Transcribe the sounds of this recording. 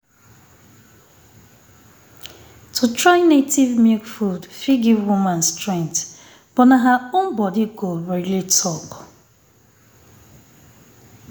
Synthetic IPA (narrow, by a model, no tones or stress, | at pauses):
tʰutʰɹaɪnetivmikfudfiɡivwumãnstɹɛ̃ŋt | b̥ɔnaɦaʊmbɔdikobɛlitʰɔk